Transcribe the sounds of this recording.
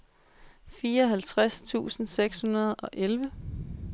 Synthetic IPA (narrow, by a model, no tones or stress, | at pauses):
fiːɐɒɦælt͡sʰʁast͡sʰṵːsn̩seɡ̥shunɐð̞ˠɒ̽ʔelʋə